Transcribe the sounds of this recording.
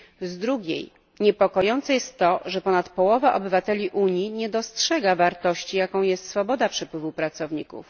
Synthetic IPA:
zd̪ɾuɡʲjḛj | ɲɛpɔkɔjɔnt̪sɛjɛst̪ːɔʐɛpɔnat̪pɔwɔvaʔɔ̰bɘvat̪ɛlʲiʔuɲiɲɛd̪ɔstʂɛɡavaɾt̪ɔɕt͡ɕijakɔ̃w̃jɛst̪sfɔbɔd̪apʂɛpwɘvupɾat̪sɔvɲḭkṵf

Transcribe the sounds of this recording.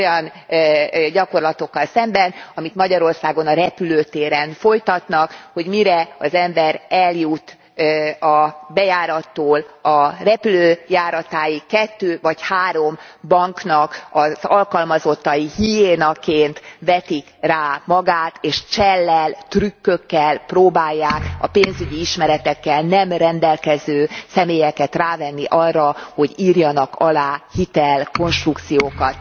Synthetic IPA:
ojɒn | ɟɒko̞rlɒt̪o̞kːɒlsɛmbɛnɒmit̪mɒɟɒɾo̞rsaːɡo̞nɒɾɛpyløːt̪eːɾɛnfo̞jt̪ɒt̪nɒkho̞ɟmiɾɛɒzɛmbɛɾɛljut̪ː | ɒbɛjaːɾɒt̪ːoːlɒrɛpyløːjaːɾɒt̪aːjikɛt̪ːøːvɒchaːɾo̞mbɒŋknɒkɒzɒlkɒlmɒzo̞t̪ːɒjihijeːnɒkeːnt̪vɛt̪ikraːmɒɡaːt̪eːʃt͡ʃɛlːɛlt̪rykːøkːɛlproːbaːjːaːkɒpeːnzyɟiiʃmɛɾɛt̪ɛkːɛlnɛmrɛnd̪ɛlkɛzøːsɛmeːjɛkɛt̪raːvɛnːiʔɒrːɒho̞ɟiːrjɒnɒkʰɒlaːhit̪ɛlko̞nʃt̪rukt̪sijoːkɒt̪

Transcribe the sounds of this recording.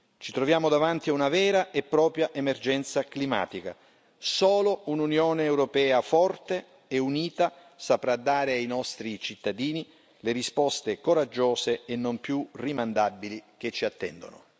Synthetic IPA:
t͡ʃit̪ɾovjaːmod̪avant̪iaunavɛːɾaʔepːɾɔːpɾjaʔemerd͡ʒɛnt̪saklima̰ːt̪ika̰ | soːloununjoːneːwɾopɛːafɔrt̪e | euniːt̪a | sapɾad̪ːaːɾeajnɔst̪ɾit͡ʃit̪ːad̪iːni | leɾispɔst̪ekoɾad͡ʒːoːseenːompjurimand̪abːilik̟et͡ʃːiat̪ːɛ̰nd̪o̰no̰

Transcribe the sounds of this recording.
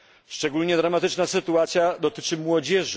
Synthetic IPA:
ʂt͡ʂɛɡulɲɛd̪ɾamat̪ɘt͡ʂnasɘt̪uat̪sʲjad̪ɔt̪ɘt͡ʂɘmwɔd͡ʑɛʐ

